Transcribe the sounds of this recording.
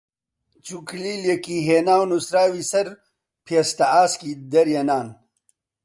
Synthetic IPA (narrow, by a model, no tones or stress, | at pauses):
t͡sukʰliljekiɦeːnaːwnusɾaːwisɐɾ | pʰjɐst̪aaːskid̪ɐɾjɐnaːn